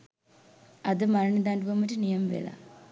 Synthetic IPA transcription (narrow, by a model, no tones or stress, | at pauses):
ad̪əmaɾəɳid̪aɳɖuʋɐməʈənijɐmʋḛla̰